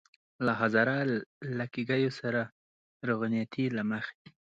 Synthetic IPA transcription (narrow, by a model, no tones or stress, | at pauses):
laɦazɑɾalakiɡajosaɾa | ɾʊɣnijat̪ʰilaməxe̥